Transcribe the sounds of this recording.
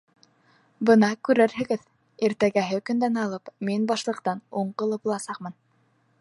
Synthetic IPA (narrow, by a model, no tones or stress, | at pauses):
bɤnɑkʉɾɘɾɦɘ̆ɡɘð | iɾt̪æɡæɦɘkɵ̆nd̪ænɑlˠɤpminbɑʃlˠɤ̆qt̪ɑnuɴqɤ̆lˠɤpbulˠɑsɑq̚mɤn